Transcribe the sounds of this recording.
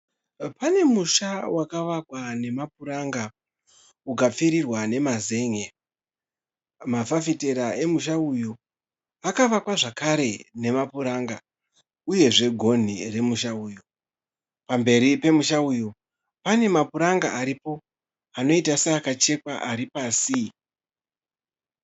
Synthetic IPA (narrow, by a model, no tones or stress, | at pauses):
pane̞muʃawakaʋakwane̞map̚uɾaŋɡa | ukap͡fiɾirwane̞maze̞ŋe | mafafite̞ɾaʔe̞muʃaujo̞ | akaʋakwaʐakaɾe̞ne̞mapuɾaːŋɡa | uje̞ʐe̞ɡʱo̞n̤ire̞muʃauːjo̞ | pambe̞ɾipe̞muʃaujo̞ | pane̞mapuɾaŋɡaʔaɾipo̞ | ano̞itaseakat͡ʃe̞kwaʔaɾipaːsi